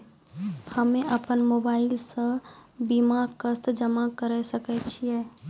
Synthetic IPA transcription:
həmẽəpənmobaɪlsə̃bimakəst̪d͡ʒəmakəɾɛsəkɛt͡ʃʰijɛ

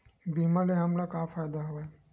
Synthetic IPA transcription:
biːmaleɦəmlakaːfʰaːjd̪aɦəʋa

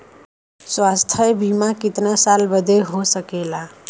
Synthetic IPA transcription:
swast̪ʰəbimakit̪nasalbəd̪ʱeɦosəkela

